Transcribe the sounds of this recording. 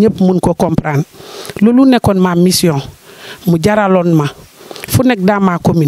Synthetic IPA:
ɲepmunkokompɾanlolunekonmamisiõnmuɟaɾalonmafunek̚damakomin

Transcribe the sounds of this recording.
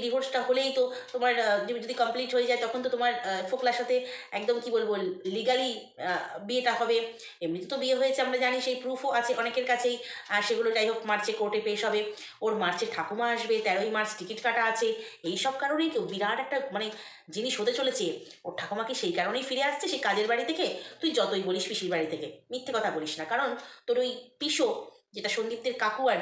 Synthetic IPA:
ɾipoɾsʈaɦolejt̪ot̪omaɾd͡ʑd͡ʑod̪ikɔmpliʈɦojed͡ʑaet̪ɔkʰont̪̬ot̪omaɾfoklaʃat̪ʰeɛkd̪omkibolboliɡali | bieʈaɦɔbe | emɾit̪ot̪obieɦojet͡ɕʰeamɾad͡ʑaniʃejpɾufʰoʔat͡ɕʰeʔɔnekeɾkat͡ɕʰejʃeɡuloʈajɦokmaɾt͡ɕʰekoɾʈeɾpeeʃɦɔbe | oɾmaɾt͡ɕeɾʈʰakomaaʃbet̪ɛɾojmaɾt͡ɕʈikiʈkaʈaat͡ɕʰeejʃɔb̚kaɾonejkewbiɾaɾɛk̚ʈamane | d͡ʑiniʃɦot̪et͡ɕolet͡ɕʰe | oɾʈʰakomakeʃejkaɾonejfiɾeaʃt͡ɕʰeʃejkad͡ʑeɾbaɽit̪ʰeket̪uid͡ʑɔt̪ojboliʃfiʃiɾbaɽit̪ʰekemit̪ʰːekɔt̪ʰaboliʃnakaɾont̪oɾojpiʃo | d͡ʑeʈaʃond̪ip̚t̪eɾkakuaɾ

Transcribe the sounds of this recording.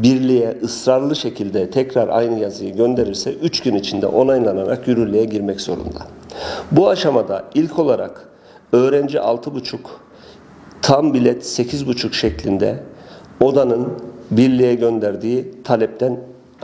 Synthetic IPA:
biɾlʲijɛʔɯsɾaɾlˠɯʃecʰilʲd̪ɛt̪ʰɛcɾaɾʔa̰jnɯjazɯjɯɟø̞nd̪e̞ɾiɾsɛʔyt͡ʃɟynit͡ʃʰind̪ɛ̰ʔo̞najlˠanaɾakjyɾyɾlʲejɛɟiɾmɛcz̥o̞̰ɾṵnd̪abuaʃamad̪a̰ilʲcʰo̞lˠaɾa̰k | ø̞ːɾɛnd͡ʒiʔa̰lˠt̪ʰɯbut͡ʃʰuk | t̪ʰambilʲɛt̪secʰizbut͡ʃʰukʃɛclʲind̪ɛ̰ | o̞d̪anɯnbiɾlʲijɛɟø̞nd̪æɾd̪iːit̪ʰalʲɛp̚t̪ʰæn

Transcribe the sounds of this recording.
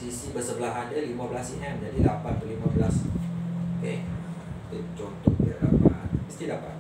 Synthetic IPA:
sisibəsəbəlaɦandəlimãbəlasiɦɛmd͡ʒadilapanpulimabəlasoke | t̪et͡ʃont̪ɔhdəda̰pa̰t̪̚məst̪idapa̰t̪̚

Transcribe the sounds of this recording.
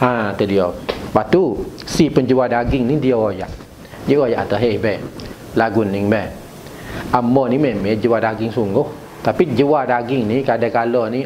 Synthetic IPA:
at̪ədiɔbat̪usipəɲd͡ʒuwadaɡɪŋnidiɔojaʔ | dioojaʔat̪əɦebɛ | laɡʊnːɪŋbɛh | amɔnimemɛd͡ʒəwadaɡɪŋsuŋɡʊh | t̪apid͡ʒəwadaɡɪŋnikadakalɔni

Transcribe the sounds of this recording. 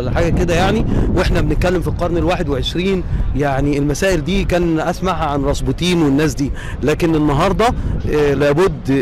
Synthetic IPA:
lːæħaːɡæked̪æjaʕniweħnæbenet̪̚kælːemfilqɑɾˤnelwaːħed̪weʕeʃɾiːnjaʕnielmæsæːʔeld̪iːkæːnʔæsmaʕæʕanɾˤɑsˤbet̪ˤiːnwenːæːs̬d̪iː | læːkenenːɑɦɑɾˤd̪ˤɑlæːbod̪ː

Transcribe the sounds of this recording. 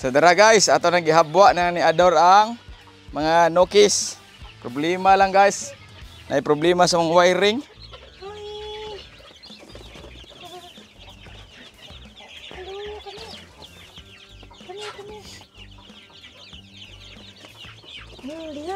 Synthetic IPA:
sadaɾaɡaisat̪awnaɡiɦabuaʔnaaniadɔɾaŋ | maŋanokis | pɾɔblimalaŋɡais | nʔa̰ipɾɔblimasamɔŋwaiɾiŋ

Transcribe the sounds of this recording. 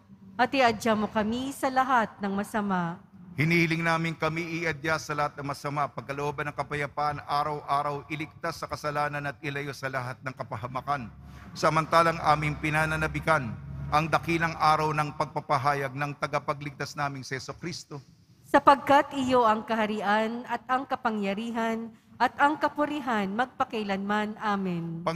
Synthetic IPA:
ʔɐt̪ɪʔɐdd͡ʒamo̞kɐmisɐlɐɦat̪̚nɐŋmɐsɐmaʔ | hɪniːhɪlɪŋnaːmɪŋkɐmiʔɪʔɐd̪jasɐlɐhat̪̚nɐŋmɐsɐmapɐɡ̚kɐloʔoːbɐnɐŋkɐpɐjɐpaʔɐnaːɾɐwʔaːɾɐwʔɪlɪk̚t̪asːɐkɐsɐlaːnɐnɐt̪̚ɪlɐjo̞sɐlɐɦat̪̚nɐŋkɐpɐɦɐmɐkan | sɐmɐnt̪aːlɐŋʔa̰ːmɪŋpɪnaːnɐnɐbɪkanʔɐŋd̪ɐkilɐŋʔaːɾɐwnɐŋpɐɡ̚pɐpɐɦaːjɐɡ̚nɐŋt̪ɐɡapɐɡlɪɡ̚t̪asnaːmɪŋsɐhɛsʊkɾist̪o̞ | sɐpɐɡ̚kat̪ʔɪjo̞ʔɐŋkɐhɐɾɪʔanɐt̪̚ɐŋkɐpɐŋjɐɾiːɦɐnʔɐt̪ɐŋkɐpʊɾɪɦanmɐɡ̚pɐkɐjlɐnmanʔaːmɪnpɐ

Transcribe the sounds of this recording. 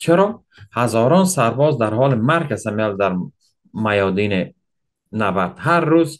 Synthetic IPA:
t͡ʃʰeɾɔ | hazɔːɾɔnsaɾbɔːzd̪aɾhɔːlimaɾkʰasameald̪aɾ | majɔːd̪ine | nabaɾd̪̥haɾːuz

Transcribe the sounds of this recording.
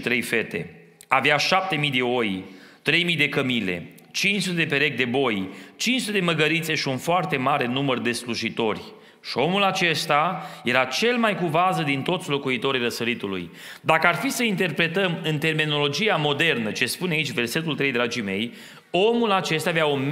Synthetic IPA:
t̪ɾe̞jfe̞t̪e̞̰ | aveaʃap̚t̪e̞mijd̪e̞o̞j | t̪ɾe̞jmijd̪e̞kəmile̞̰ | t͡ʃint͡ʃsut̪ed̪epe̞ɾe̞k̚d̪e̞bo̞jt͡ʃint͡ʃsut̪ed̪eməɡəɾit̪se̞ʃiunfoart̪e̞maɾe̞numərd̪e̞sluʒit̪o̞rʲ | ʃio̞mulat͡ʃe̞st̪aje̞ɾat͡ʃe̞lmajkuvazəd̪int̪o̞t̪sʲlo̞kuit̪o̞ɾijrəsəɾit̪ulṵj | d̪akəarfisəint̪e̞rpɾe̞t̪əmɨnt̪e̞rmino̞lo̞d͡ʒijamo̞d̪e̞rnət͡ʃe̞spuneait͡ʃʲve̞rse̞t̪ult̪ɾe̞jd̪ɾad͡ʒime̞̰j | o̞mulat͡ʃe̞st̪avjaom

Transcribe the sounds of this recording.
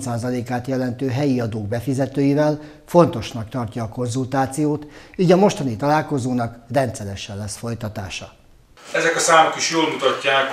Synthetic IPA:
saːzɒleːkaːt̪jɛlɛnt̪øːɦɛjiɒd̪oːɡ̚bɛfizɛt̪øːjivɛl | fo̞nt̪o̞ʃnɒkt̪ɒrcɒːko̞nzult̪aːt̪sijoːt̪iːɟɒmo̞ʃt̪ɒnit̪ɒlaːlko̞zoːnɒkrɛnt̪sɛɾɛʃɛlːɛsfo̞jt̪ɒt̪a̰ːʃɒ | ɛzɛkɒsaːmokiʃjoːlmut̪ɒcːaːk

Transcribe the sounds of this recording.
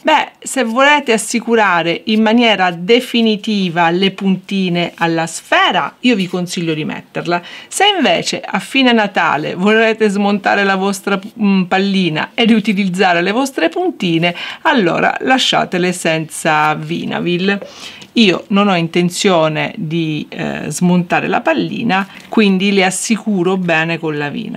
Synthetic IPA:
bɛsevːolɛːt̪easːikuɾaːɾeʔimːanjɛːɾad̪efinit̪iːvalepunt̪iːnealːasfɛːɾaiːovikonsiʎːod̪imɛ̰t̪ːeɾlaseiɱvɛ̰ːt͡ʃeafːiːnenat̪a̰ːlḛvolɛːt̪ezmont̪a̰ːɾelavɔst̪ɾapalːiːna̰ed̪iut̪ilid̪zːaːɾelevɔst̪ɾepunt̪iːnealːɔ̰ːɾa̰laʃːa̰ːt̪elesɛnt̪savḭːna̰vil | iːononɔint̪ent̪sjɔːnḛd̪izmont̪aːɾḛla̰palːḭːna | kwind̪ileasːikuːɾobɛːnekonlavḭːna̰

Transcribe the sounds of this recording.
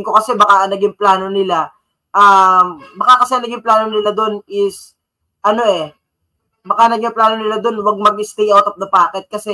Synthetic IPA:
ŋko̞kɐsɛbɐkaʔɐnɐɡɪŋplaːno̞nɪla | ʔambɐkakɐsɛɐnɐɡɪŋplaːno̞nɪlad̪o̞nɪs | ʔɐno̞ʔɛ | bɐkanɐɡɪŋplaːno̞nɪlad̪o̞nwɐɡ̚mɐɡɪst̪ɛjʔawt̪ɐp̚d̪ɐpaːkɛt̪̚kɐsɛ

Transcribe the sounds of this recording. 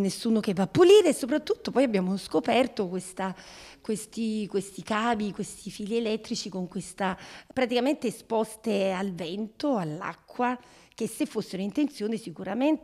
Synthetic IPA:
nesːuːnok̟evːapːuliːɾesːopɾat̪ːut̪ːopɔjabːjaːmoskopɛrt̪okwest̪akwest̪ikwest̪ikaːbikwest̪ifiːlielɛt̪ːɾit͡ʃikoŋkwest̪apɾat̪ikament̪espɔst̪ealvɛnt̪oalːa̰kːwa | k̟esːefːosːeɾoint̪ent̪sjoːnisikuɾament̪

